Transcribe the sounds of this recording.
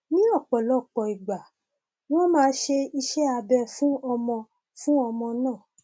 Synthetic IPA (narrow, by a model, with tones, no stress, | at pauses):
nĩ˦ɔ˦˨k͡pɔ˨lɔ˨˦˨k͡pɔ˨i˨ɡ͡ba˨ | w̃ɔ̃˦mãː˦ʃe˧i˧ʃɛ˦a˧bɛ˧fũ˦ɔ˧mɔ̃˧ | fũ˦ɔ˧mɔ̃˧nãː˦˨